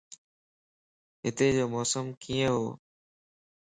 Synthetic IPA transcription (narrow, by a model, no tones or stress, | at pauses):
ɦɪt̪eːd͡ʑoːmɔːsəmkiːə̃ɦoː